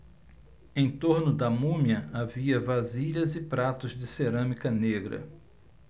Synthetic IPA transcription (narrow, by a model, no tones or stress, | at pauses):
ẽj̃t̪oɾnʊd̪ɐmũmjɐaviɐvaziʎɐzɪpɾat̪ʊzd͡ʒɪseɾɐ̃mikɐneɡɾɐ̰